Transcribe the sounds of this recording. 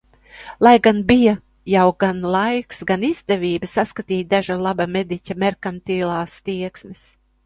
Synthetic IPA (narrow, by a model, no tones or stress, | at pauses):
lˠajɡanbija | jawɡanlˠajksɡanizd̪ɛvʲiːbɨsaskat̪iːtd̪aʒalˠabamed̪icʲamʲɛɾkant̪iːlˠaːst̪iɛksmis